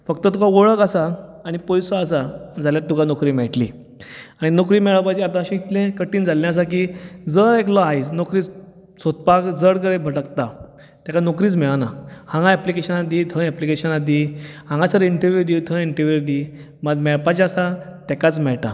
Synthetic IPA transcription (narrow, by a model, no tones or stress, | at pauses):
fəkt̪ət̪ukaʋoɭəkasaːɽ̃ipɔjsɔasad͡zʱaljat̪ːukanokɾiːmɛʈlḭ | aɽ̃inokɾiːmɛɭəpat͡ɕiat̪ãəɕĩit̪lẽkəʈiːnd͡zʱalːɛ̃əs̬ak̬id͡zəɾeklɔaisnokɾiːt͡s | sot̪̚pakd͡zəɽk̬əɽẽbʱəʈəkt̪a | t̪ɛkanokɾiːt͡smɛɭanahãŋɡãɛplikeɕənad̪iːt̪ʰə̃ɛplikeɕənad̪ihãŋɡasəɾiɳʈəɾʋjud̪it̪ʰə̃iɳʈəɾʋuɾd̪i | məd̪mɛɭpat͡ɕasat̪ɛkat͡smɛɭʈa